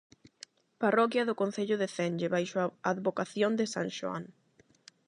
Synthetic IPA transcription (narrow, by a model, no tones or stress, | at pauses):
parɔkjɐðʊkõn̟θeʎʊðeθɛnd͡ʒɪβajʃoaaðβokaθjond̪ɪsa̰ŋʃoa̰ŋ